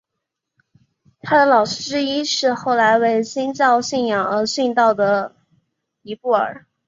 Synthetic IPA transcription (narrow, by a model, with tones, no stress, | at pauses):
t̪ʰa˥d̪ə˨lɑ˨˩ʊʂɻ̩˥ʈ͡ʂɻ̩˥i˥ʂɻ̩˥˧xo˥˩ʊla˧˥ɪwe˥˩ɪɕi˥nt͡ɕɑ˥˧ʊɕi˥˩njɑ˨˩ŋə˞˧˥ɕi˥˧nt̪ɑ˥˩ʊd̪ə˩ | i˧˥pu˥˩ə̰˞˨˩˦